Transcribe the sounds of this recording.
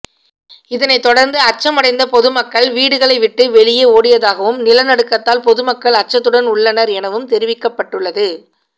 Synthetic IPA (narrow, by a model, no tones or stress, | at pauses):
ɪðɐnɐɪt̪ːɔɽɐɾnd̪ɯɐt͡ʃːɐmɐɽɐɪnd̪ɐpɔðɯmɐkːɐɭʋiːɽɯɣɐɭɐɪʋɪʈːɯʋɛɭɪjeoːɽɪjɐðaːɣɐʋɯmnɪlɐnɐɽɯkːɐt̪ːaːlpɔðɯmɐkːɐɭɐt͡ʃːɐt̪ːɯɽɐnʊɭːɐnɐɾɛnɐʋɯmt̪ɛɾɪʋɪkːɐpːɐʈːɯɭːɐðɯ